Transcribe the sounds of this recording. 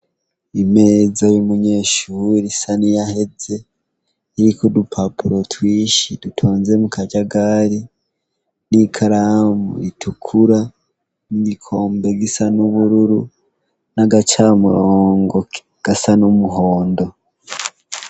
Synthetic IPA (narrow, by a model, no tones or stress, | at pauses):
ime̞zajumuɲe̞ːʃuɾisanijahe̞ze̞ | iɾikodupʰapuɾo̞twiːʃidutʰo̞ːnze̞mukʰaɟaɡaɾi | nikʰaɾamṵitʰukʰuɾa | niɡikʰo̞ːmbe̞ɡisanuβuɾuɾu | naɡat͡ʃamuɾoːŋɡo̞ | ɡ̥asanumuɦo̞ːndo̞